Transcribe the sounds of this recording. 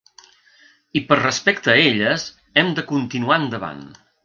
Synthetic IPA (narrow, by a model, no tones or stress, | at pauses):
ipərrəspɛkt̪əeʎəz | ɛmd̪əkunt̪inuaənd̪əβa̰n